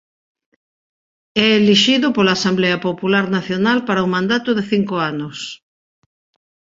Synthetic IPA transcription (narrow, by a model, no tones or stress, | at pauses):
ɛeliʃiðʊpolaːsambleɐpopulaɾnaθjonalpaɾɐumãnd̪at̪ʊðeθiŋkoanʊs